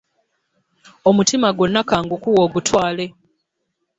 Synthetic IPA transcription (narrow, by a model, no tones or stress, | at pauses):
o̞mutimaɡo̞nːakaːŋɡukuwo̞ːɡutwaːle̞